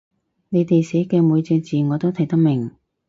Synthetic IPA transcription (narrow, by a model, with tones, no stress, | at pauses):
ne˨˧jt̪e˨jse˨˥kɛː˧muː˨˧jt͡sɛː˧t͡siː˨˩ŋɔː˨˧t̪o˥wt̪ʰɐ˨˩jt̪ɐ˥k̚mɪ˨˩ŋ